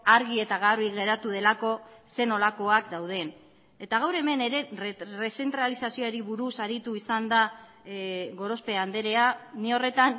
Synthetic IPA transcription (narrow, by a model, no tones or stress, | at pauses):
aɾɣie̞t̪aɣarβiɣe̞ɾat̪uð̞e̞lako̞se̞no̞lako̞akd̪awð̞e̞n | e̞t̪aɣ̞awɾe̞me̞ne̞ɾe̞rese̞nt̪ɾalisasioaɾiβuɾusaɾit̪uisand̪a | ɣo̞ɾo̞spe̞and̪e̞ɾe̞anio̞re̞t̪an